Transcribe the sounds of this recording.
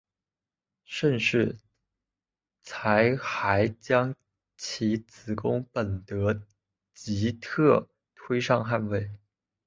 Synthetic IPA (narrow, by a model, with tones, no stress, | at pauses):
ʂə˥˧nʂɻ̩˥˩ | t͡sʰa˧˥ɪxa˧˥ɪt͡ɕjɑ˥ŋ | t͡ɕʰi˧˥t͡sɹ̩˨˩kʊ˥ŋpə˨˩nt̪ɤ˧˥ | t͡ɕi˧˥t̪ʰɤ˥˩ | t̪ʰwe˥ɪʂɑ˥˧ŋxa˥˧nwe˥˩ɪ